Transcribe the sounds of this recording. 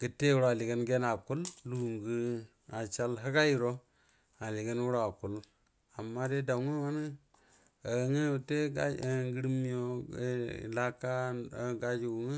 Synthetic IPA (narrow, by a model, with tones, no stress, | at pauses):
ɡ̥ə˨te˦wu˦ɾa˨li˨ɡə˦nɡe˦na˨ku˦llu˦˨ŋɡə˦ | a˨t͡ʃa˦lɦə˦ɡa˦ji˦ɾo˦ | a˨li˨ɡə˦nwu˦ɾa˨ku˨l | a˨mːa˦de˦da˨˦ŋu˦wa˦n˦ | a˨ŋə˦˨te˦ɡa˦˨ŋɡi˦ɾmi˦jo˦ | la˦ka˦˨ɡa˦d͡ʒi˨ɡu˨ŋə˦